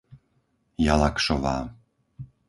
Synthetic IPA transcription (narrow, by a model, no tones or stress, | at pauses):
jalakʂɔvaː